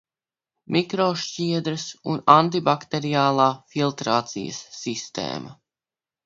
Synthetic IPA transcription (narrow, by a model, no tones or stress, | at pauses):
mʔikɾoːʃt͡ʃiɛd̪ɾɐsṵnant̪ibakt̪eɾijaːlˠaːfilˠt̪ɾaːt̪sḭjə̰sːist̪ḛːmʔɐ